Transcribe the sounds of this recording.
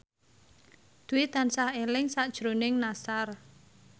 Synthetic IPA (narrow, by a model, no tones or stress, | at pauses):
d̪̥uwɪt̪ansahelɪŋsaʔd̥ʒ̥ɾonɪŋnasar